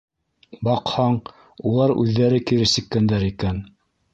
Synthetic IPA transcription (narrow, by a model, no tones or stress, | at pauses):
bɑqhɑɴ | ulˠɑɾʉ̰ðːæɾɘkiɾɘsɘ̆kːænd̪æɾikæn